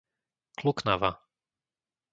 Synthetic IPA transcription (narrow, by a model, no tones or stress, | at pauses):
kluknaʋa̰